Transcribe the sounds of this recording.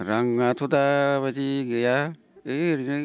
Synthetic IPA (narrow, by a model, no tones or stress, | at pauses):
ɾaŋːatʰodaβadiɡɯja | ɯɾinɯ